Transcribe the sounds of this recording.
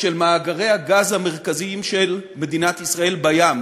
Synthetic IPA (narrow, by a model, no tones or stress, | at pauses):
ʃe̞lmaːɡaʁe̞jhaɡazhameʁkaziimʃelme̞d̪inat̪isʁae̞lbajam